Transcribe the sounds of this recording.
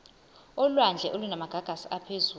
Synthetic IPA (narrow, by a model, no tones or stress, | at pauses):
ɔlwand͡ɮʱɛʔolunamaɡ̥ʱaɡ̥ʱasiapʰezuː